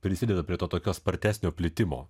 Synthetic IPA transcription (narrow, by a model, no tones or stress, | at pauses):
pʲɾʲɪsʲɪd̪ʲɛːd̪ɐpʲɾʲiɛt̪oːt̪oːkʲoːspɐɾʲt̪ʲæːsʲnʲoːpʲlʲɪt̪ʲɪmo̰ː